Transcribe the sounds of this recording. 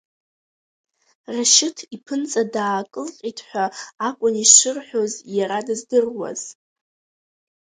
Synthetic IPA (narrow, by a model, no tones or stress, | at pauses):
raʃɪtʰipʰɨnt͡sʼadaːkʼɨlqʲʼitʰħʷaːkʷʼʊniʂʷɨrħʷᶣo̞zjaɾadɨzdɨrwa̰z̥